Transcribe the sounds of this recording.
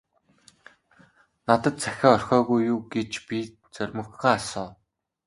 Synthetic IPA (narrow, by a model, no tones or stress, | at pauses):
nat̪ə̆t̪̚t͡sʰæxʲɔːɔrxʲɔːɣujːuːɡet͡ɕpi | t͡sœrʲmɵ̆xaːasɔː